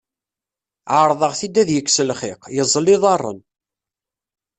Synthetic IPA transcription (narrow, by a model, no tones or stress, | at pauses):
ʕəɾˤðˤəʁθid̪ːæðjəkːsəlχɪqjəzˤːəlːiðˤɑrˤːə̰n